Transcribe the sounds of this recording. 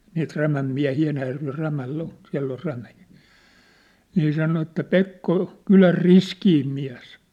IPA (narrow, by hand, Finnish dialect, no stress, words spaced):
niːt ræmæm miæ̝hiː enæjærʋer ræmælː on siæ̝lː or ræmiː niː sɑno etːæ pekːo kylær riskiːm miæ̝s